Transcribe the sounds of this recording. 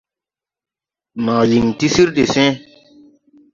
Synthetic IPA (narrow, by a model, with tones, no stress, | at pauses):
ma˨ji˨ŋti˦si˦ɾde˨sẽ˦